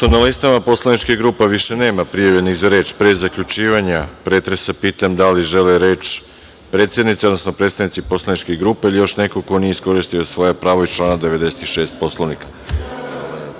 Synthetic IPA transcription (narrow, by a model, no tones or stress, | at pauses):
t̪onalist̪amapo̞slanit͡ʃkeɡɾuːpeʋiʃe̞ne̞ːmapɾijaʋjeniɣzaɾe̞ːt͡ʃpɾezakʎut͡ʃiːʋaɲapɾeːt̪ɾesapiːt̪amd̪aliʒeleɾe̞ːt͡ʃ | pɾe̞ːt̪sje̞d̪nit̪seod̪nosnopɾe̞d̪st̪aʋnit̪sipo̞slˠanit͡ʃkiɡɾuːpeilijo̞ʃne̞ko̞ko̞nijeisko̞ɾist̪ijo̞sʋo̞japɾaːʋoit͡ʃlˠaːnad̪e̞ʋed̪e̞set̪iʃeːst̪̚po̞slˠoʋnikḁ